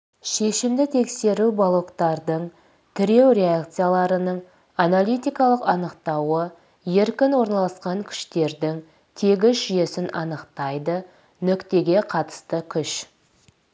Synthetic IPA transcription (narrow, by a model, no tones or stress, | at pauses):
ʃe̞ʃɪmd̪ɪt̪ʰe̞kse̞ɾubolˠo̞kt̪ɑɾd̪əɴ | t̪ʰɪɾe̞wɾʲe̞akt̪sɨjalˠɑɾənəɴ | analʲˠijt̪ijkɑlˠəqɑnəqt̪ɑwə | je̞ɾkʲɪnwo̞ɾnɑlˠɑsqɑŋkʲʰʏ̥ʃt̪e̞ɾd̪ɪŋ | t̪ʰe̞ɡʲɪzʒʏje̞sɪnʔɑnəqt̪ɑjd̪ə | nʏkt̪e̞ɡʲe̞qʰɑt̪ə̥st̪əkʲʰʏʃ